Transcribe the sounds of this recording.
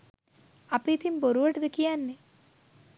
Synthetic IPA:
apiːt̪imboɾuʋəʈəd̪əkijanːe

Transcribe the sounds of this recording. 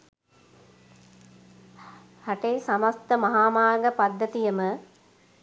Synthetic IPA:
hɐʈeːsamɐst̪əmɐɦaːmaːɡəpad̪ːət̪ijəmə

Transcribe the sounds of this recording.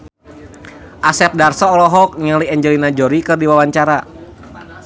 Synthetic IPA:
ʔasɛp̚darsɔːlɔɦɔk̚ɲəliɛɲd͡ʒɛlinad͡ʒɔɾikɨrdiwawaɲt͡ʃaɾa

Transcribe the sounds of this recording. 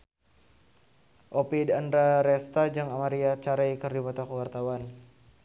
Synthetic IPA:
ʔopidandɾaɾɛst̪ad͡ʒaŋamaɾiat͡ʃaɾajkɨrdipat̪akuwart̪awan

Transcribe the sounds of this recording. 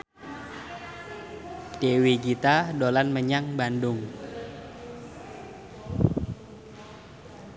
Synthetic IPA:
d̥ewikit̪adolanməɲaŋbandʊŋ

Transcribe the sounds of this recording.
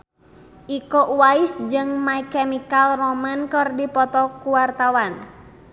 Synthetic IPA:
ʔikɔʔuwaisd͡ʒɨŋmaikɛmikalrɔmənkɔrdipɔt̪ɔkuwart̪awan

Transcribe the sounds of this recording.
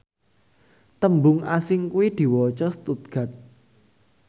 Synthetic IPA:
t̪əmbʊŋasɪŋkuwid̪̥i̤wɔt͡ʃɔst̪ut̪̚ɡ̥a̤t̪̚

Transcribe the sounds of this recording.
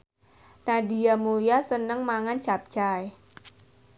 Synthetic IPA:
nadijamulijasənəŋmaŋant͡ʃap̚t͡ʃaj

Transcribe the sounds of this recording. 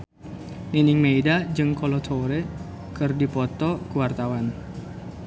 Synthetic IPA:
ninɪŋmeidad͡ʒɨŋkɔlɔt̪ʰoɾe | kɨrdipɔt̪ɔkuwart̪awan

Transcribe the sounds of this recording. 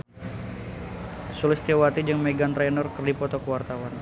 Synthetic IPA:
sulɪst̪iawat̪id͡ʒəŋmeɡant̪ɾɛnɔrkərdipɔt̪ɔkəwart̪awan

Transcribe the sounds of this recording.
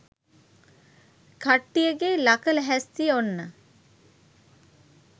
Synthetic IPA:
kaʈːijəɡeːlakələɦæst̪iəonːə

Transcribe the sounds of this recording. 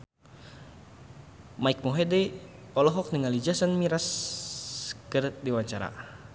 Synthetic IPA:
maik̚moɦedɛ | ɔlɔɦɔk̚niŋalid͡ʒasənmiɾas | kɨrdiwaɲt͡ʃaɾa̰

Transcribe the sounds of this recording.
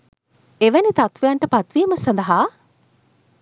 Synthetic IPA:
eʋænit̪at̪ʋejaɳʈəpat̪ʋiːməsand̪ɐɦaː

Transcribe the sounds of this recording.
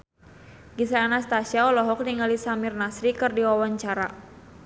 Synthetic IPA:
ɡisaːnast̪asiaɔlɔɦɔk̚niŋalisamirnasɾikɨrdiwawaɲt͡ʃaɾa

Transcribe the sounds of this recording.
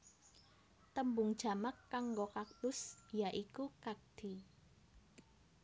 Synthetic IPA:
t̪əmbʊŋd̥ʒ̥a̤makːaŋɡokak̚t̪ʊsjaʔikukak̚d̪̥i̤

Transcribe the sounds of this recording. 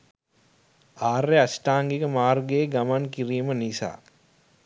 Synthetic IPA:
aːrːeasʈaːŋɡikəmaːrɡeːɡamankiɾijmənisa̰ː

